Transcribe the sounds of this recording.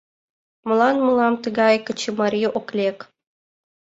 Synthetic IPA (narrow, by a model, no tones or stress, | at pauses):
mɤ̆lˠɑnmɤlˠɑmt̪əɣɑjkə̆t͡ɕimɑɾʲijʔoklʲek